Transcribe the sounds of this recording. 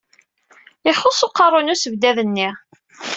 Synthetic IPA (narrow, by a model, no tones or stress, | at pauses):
ɪχosoqːɑrˤonusəvd̪æðənːiʁ